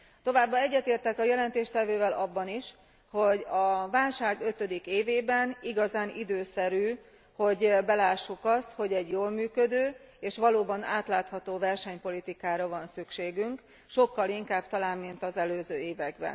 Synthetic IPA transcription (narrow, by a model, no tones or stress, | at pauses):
t̪o̞vaːbːɒɛɟːɛt̪eːrt̪ɛkɒjɛlɛnt̪eːʃt̪ɛvøːvɛlɒbːɒniʃ | ho̞ɟɒvaːlʃaːɡø̞t̪ø̞d̪ikeːveːbɛniɡɒzaːnid̪øːsɛɾyː | ho̞ɟbɛlaːʃːukɒst̪ho̞ɟɛɟjoːlmyːkød̪øː | eːʃʋɒloːbɒna̰ːt̪laːt̪hɒt̪oːvɛrʃɛɲpo̞lit̪ikaːɾɒvɒnsykʃeːɡyŋk | ʃo̞kːɒliŋkaːb̚t̪ɒlaːmːint̪ɒzɛløːzøːeːvɛɡbɛ̰n